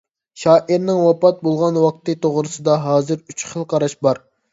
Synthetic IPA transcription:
ʃɑːʔiɾnɪŋwɑpɑt̪̚bolˠʁɑnwɑq̚t̪ɨt̪ʰoʁɾɨsɨd̪ɑɦɑːzɨɾyt͡ʃχəlˠqʰɑɾɑʃbɑɾ

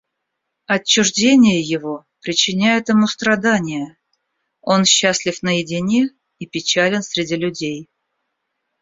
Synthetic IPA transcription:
ɐt͡ɕːʊʐdʲenʲɪjəjɪvo̞pɾʲɪt͡ɕːɪnʲæjɪt̪ɪmust̪ɾɐd̪anʲɪjə | o̞nɕːasʲlʲɪfnəjɪdʲɪnʲie | ipʲɪt͡ɕælʲɪnsʲɾʲɪdʲilʲʊdʲej

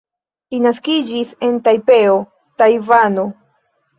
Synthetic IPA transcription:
linaskid͡ʒise̞ntajpeo | tajvano

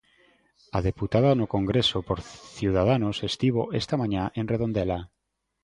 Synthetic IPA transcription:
aðeput̪aðanokoŋɡɾesopoɾθjiuwð̞að̞anosest̪iβ̞oʔest̪amãɲãʔenreðond̪ela

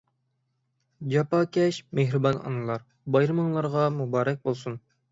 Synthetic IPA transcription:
d͡ʒɑpɑkʲʰɛʃmeɦɾɨbɑnɑ̰nɨlˠɑɾ | bɑjɾɨmɨŋlˠɑɾʁɑmubɑːɾɛk̚ʲbolˠsun

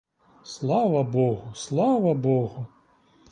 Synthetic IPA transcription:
slˠɑʋɐbɔɣuslˠavɐbɔɣu

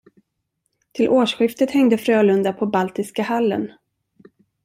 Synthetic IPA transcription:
t̪ʰɪlʔoːʂɧɪft̪ət̪hɛŋd̪əfɾøːlɵnd̪apʰɔbalt̪ɪskahalːə̰n

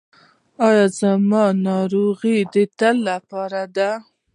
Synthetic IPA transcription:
ɑjɑzamɑnɑɾoɣid̪ət̪alːapɑɾad̪a

